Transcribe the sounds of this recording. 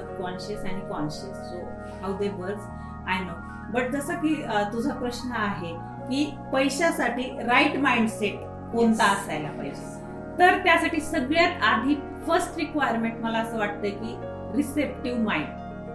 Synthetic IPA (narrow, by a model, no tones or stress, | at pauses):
kɔnɕəsaɽ̃ikɔnɕəsso | ɦawd̪eʋəɾd͡z | ajno | bəʈ̚d͡zəsəkiːt̪ud͡zʱapɾəɕɳəaɦe | kiː | pəjɕasaʈiːɾaiʈmaiɳɖseʈ | kont̪aəsajlapə̰jɕa | t̪əɾt̪jasaʈiːsəɡɭjat̪ad̪ʱiː | fəɾsʈɾikʋajəɾmeɳʈməlaəsəːʋaʈ̚t̪əjkiː | ɾisep̚ʈiʋmaiɳɖ